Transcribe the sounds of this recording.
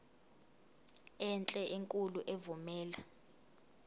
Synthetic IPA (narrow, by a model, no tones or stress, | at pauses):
ɛnt͡ɬʼɛʔiŋkʼuluʔevumɛːla